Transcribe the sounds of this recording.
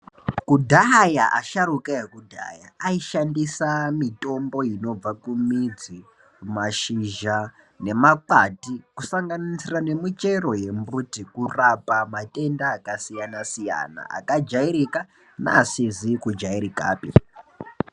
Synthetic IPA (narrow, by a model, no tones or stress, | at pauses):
kudʱajaʔa̰ʃaɾukajekudʱa̰jaːiʃandisamito̞mbo̞ino̞b͡vakumid͡zi | maʃiʒa | ne̞makwatikusaŋɡanisirane̞mit͡ʃe̞ro̞je̞mbutikurapamatʼe̞ndaːkasijanasija̰na̰a̰kad͡ʒaiɾika | na̰ːsizikud͡ʒaiɾika̰ːpḭ